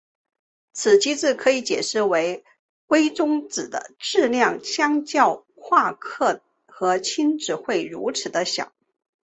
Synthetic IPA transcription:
t͡sʰɹ̩˨˩t͡ɕʰi˥t͡sɹ̩˥˩kʰɤ˧˥i˧˥t͡ɕjɛ˨˩ʂɻ̩˥˩we˧˥ɪ | kwe˥ɪt͡sʊ˥ŋt͡sɹ̩˨˩d̪ə̰˦ʈ͡ʂɻ̩˥˧ljɑ˥˩ŋɕjɑ˥ŋt͡ɕjɑ˥˧ʊ | kʰwa˥˧kʰɤ˥˩ | xɤ˧˥t͡ɕʰi˥nʈ͡ʂɻ̩˨˩xwe˥˩ɪɻṵ˧˥t͡sʰɻ̩˨˩d̪ə˦ɕjɑ̰˨˩˦ʊ

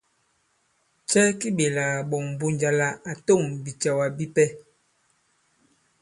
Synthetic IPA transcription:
t͡ʃɛ˦ki˦ɓe˨la˨ɓɔ˨ŋ˨bu˦nd͡ʒa˨la˨a˨to˦˨ŋbi˨t͡ʃa˨wa˨bi˦pɛ˦

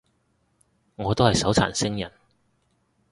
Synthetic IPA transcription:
ŋɔː˨˧t̪o˥whɐ˨jsɐ˨˥wt͡sʰa̰ː˨˩nsɪ˥ŋjɐ̰˨˩n

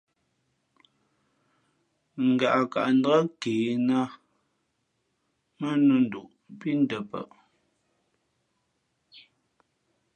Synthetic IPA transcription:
ŋ̩˨ɡa˨ʔa˨ka̰˨ʔn̩˦dɣa˦keː˨na˦ | mə˦nu˦˨n̩˨du˨ʔ | pi˦n̩˦də˨pə̰˦˨ʔ

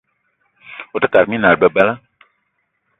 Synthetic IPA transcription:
o˨tə˦ka˨ɾmĩ˦nã˨ɾbə˨ba˦la˦

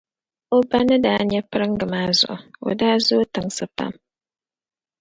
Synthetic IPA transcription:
o˦ba˦nɨ˦daː˦ɲɛ˦pɨ˦ɾɨ˦ŋɡɨ˨maː˦zʊ̰˨ʔʊ˨o̰˨daː˦zo˦tɨ˨ŋsɨ˨pa̰˦m

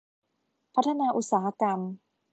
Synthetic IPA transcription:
pʰa˦˥t̪ʰːa˧naː˧ʔu˧˦t̪̚saː˩˦ha˧ka˧m

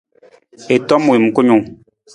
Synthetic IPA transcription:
e˨tɔ˦mu˨i˨m̩˨ko˦ɲu˨ŋ

